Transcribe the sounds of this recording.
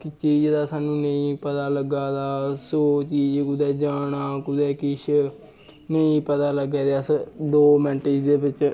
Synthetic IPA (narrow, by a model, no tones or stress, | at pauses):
kɪt͡ʃiːd͡ʒed̪aːsaːnũːnəĩːpət̪aːləɡaːd̪aːsoːt͡ʃiːd͡ʒkʊd̪ɛːd͡ʒaːɽ̃aːkʊd̪ɛːkɪʃ | nəĩːpət̪aːləɡɛːd̪eəsd̪oːmɛ̃ɳʈed͡ʒd̪eːbɪt͡ʃ